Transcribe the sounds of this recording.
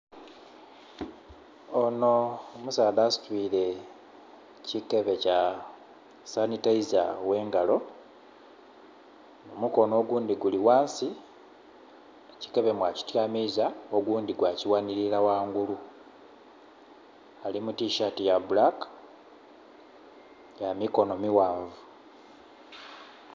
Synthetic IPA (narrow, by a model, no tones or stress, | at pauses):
ono̞omusaːdasi̥twiːle̞ | cike̞βe̞ca | sanitaizawe̞ːŋɡalo̞ | nomuko̞no̞ːɡuːndiɡuliwaːnsi | eci̥ke̞βe̞mwaci̥tjaːmizao̞ɡuːndiɡwaːciwaniɾilawaːŋɡulu | alimutiʃatijabulak | jamiko̞no̞miwaːɱvu